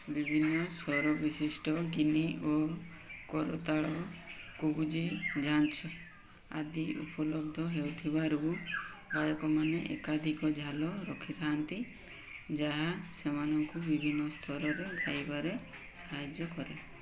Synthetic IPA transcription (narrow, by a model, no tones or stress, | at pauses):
bibʱinːɔsɔɾɔbisisʈɔɡiniʔo | kɔɾot̪aɭɔkud͡ʒid͡ʒʱant͡ʃʰɔ | a̰d̪iṵpɔlɔb̚d̪ʱɔɦewt̪ʰibaɾubajɔkɔmaneʔḛkad̪ʱikɔd͡ʒʱalɔɾɔkʰit̪ʰaant̪i | d͡ʒaɦasemanɔŋkubibʱinːɔst̪ʰɔɾɔɾeɡʱajbaɾe | saɦad͡ʒjɔkɔɾe